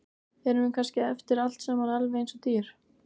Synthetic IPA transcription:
ɛɾʏɪnkʰanscɪɛft̪ɪɾal̥t̪sɛmːanɛlvɪejnsɔt̪iːɾ̥

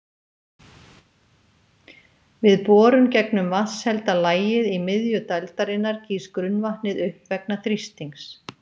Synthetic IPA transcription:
vɪðpɔːɾʏmcɛknʏmvaθshɛlt̪alaːjɪðimɪðjʏt̪alt̪aɾɪnːaɾciːskɾʏnːvaht̪ɪðʏhpvɛknaθɾist̪iŋs

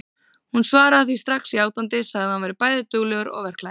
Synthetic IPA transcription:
hunsvaːɾaaːθvist̪ɾaxsiaːwt̪lant̪ɪsaɣðhanvajɾɪpaːjðɪt̪ʏɣlœɣʏɾɔ̰ɣvɛr̥kla

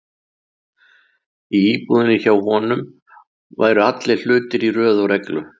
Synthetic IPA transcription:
iiːpuðɪnːɪçawhɔnʏm | va̰ːjɾʏat̪lɪl̥ʏːt̪ɪɾirœːðawɾɛklʏ

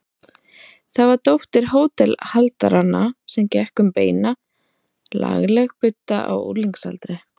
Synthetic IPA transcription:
θavaɾt̪owht̪ɪɾ̥ɦoːwt̪ɛlhalt̪aɾanːasɛmcɛhkʏmpeːjna | la̰ɣlɛɣpʏt̪ːaʔa̰wṵliŋksa̰lt̪ɾɪ

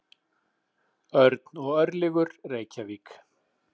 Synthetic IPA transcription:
œɾt̪nɔɣœɾlɪɣʏɾreːjcaviːk

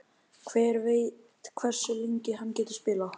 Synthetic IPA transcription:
kʰvɛːɾvejt̪kʰvɛr̥sʏliɲcɪɦanːcɛːt̪ʏ̥ɾ̥spɪːlaw

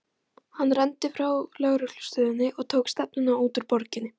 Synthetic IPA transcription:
hanːrɛnt̪ɪfɾawlœɣɾʏklʏ̥st̪œːðɪnːɪʔɔɣt̪ʰoːwkst̪ɛp̚nʏnauːt̪ʏɾpɔɾcɪnːɪ

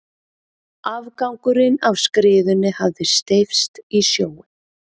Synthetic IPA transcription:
avkawŋkʏɾɪnavskɾɪːðʏnːɪhavðɪst̪ejfst̪isjoːwɪn

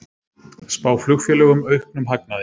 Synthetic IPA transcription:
spaːwflʏɣfjɛlɛɣʏmœɥhknʏmɦak̚naðɪ

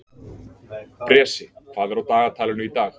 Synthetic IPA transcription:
pɾɛːsɪfaːðɛɾawt̪aːɣat̪ʰaːlɪnʏit̪aːx

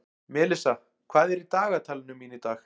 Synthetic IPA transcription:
mɛːlɪsa | kʰvaːðɛɾit̪aːɣat̪ʰaːlɪnʏmːiːnit̪aːx

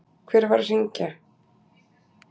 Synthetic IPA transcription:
kʰvɛːɾvaɾ̥r̥iɲca

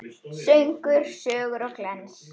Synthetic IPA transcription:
sœɥŋkʏɾ̥sœːɣʏɾɔɣklɛns

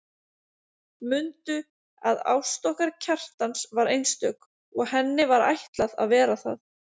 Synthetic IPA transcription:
mʏnt̪ʏ | aða̰wst̪ɔhkaɾcʰar̥t̪ansvaɾejnst̪œk | ɔɣɦɛnːɪvaɾa̰jht̪laða̰ðvɛːɾaθa̰ð

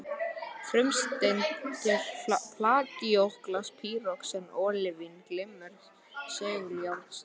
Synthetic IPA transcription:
fɾʏmst̪ent̪θɛɾpʰlaːc̪ɪowhklaspʰiːrɔksɛnːɔːlɪvinklɪmːʏɾð | sɛːɣʏɾjawɾt̪s

